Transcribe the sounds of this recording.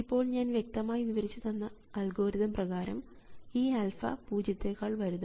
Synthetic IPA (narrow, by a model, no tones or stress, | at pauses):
ipːo̞ːɭɲaːnʋje̞k̚t̪ɐmaːjiʋiʋɐɾit͡ɕːut̪ɐnːɐ | ɐlɡo̞ːɾiðɐmprɐɣaːɾɐm | iːɐlfɐ̰puːd͡ʑɐt̪ːekːaːɭʋɐɾuðu